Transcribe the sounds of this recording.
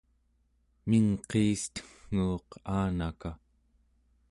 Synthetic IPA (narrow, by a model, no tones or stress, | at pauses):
miŋqeːst̪ə̥ŋːuːqaːnaka